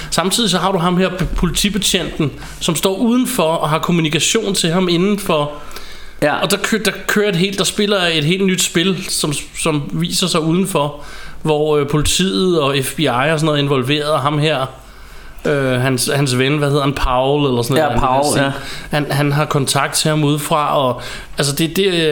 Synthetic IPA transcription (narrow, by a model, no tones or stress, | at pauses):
sɑ̈mt͡sʰið̰ˠis̬ɒ̽ɦɑ̈ɾ̥uɦɑ̈mheɐ̰pʰo̝lit͡sʰib̥e̝t͡ɕʰen̰d̥n̩ | sɒ̽msd̥ɒ̰ːʔuːð̞ˠn̩fɒ̽ɒ̽ɦɑ̈kʰo̝munikʰæɕo̝̰ːnt͡sʰe̝ɦɑ̈me̝nn̩fɒ̽ | ɒ̽d̥ɑ̈kʰd̥ɑ̈kʰøːɐe̝d̥ɦe̝̰ːld̥ɑ̈sb̥e̝lɐe̝d̥ɦe̝̰ːld̥nyd̥sb̥e̝lsɒ̽m | sɒ̽mʋḭːsɐsɑ̈ɪuːð̞ˠn̩fɒʋɒøpʰo̝lit͡sʰḭːð̩ˠɒ̽efb̥iɑ̈ɪɒsɒnɔ̽ð̩ˠe̝nʋɒ̽lʋe̝̰ːɐð̩ˠɦɑ̈mɦæɐ̰ | øɦænshæns̬ʋenəʋæheðˠɐhænpʰɑ̈ʊlelɐsɔn | hænɦænɦɑ̈kʰɒ̽nt͡sʰɑ̈ɡ̥̚d̥̚t͡sʰe̝hɑ̈muð̞ˠfʁɑ̈ɒ̽ | æls̬əd̥e̝d̥e̝